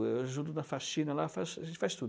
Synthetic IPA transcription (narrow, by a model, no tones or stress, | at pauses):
ewʒũd̪unɐfasĩnɐlafasfast̪ud